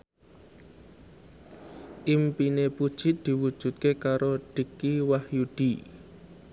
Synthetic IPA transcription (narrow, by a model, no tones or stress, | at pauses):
ʔimpinepud̥ʒ̥ɪ̤t̪̚d̪̥i̤wud̥ʒ̥ṳt̪̚kekaɾoɖ̥i̤kiwahjud̪̥i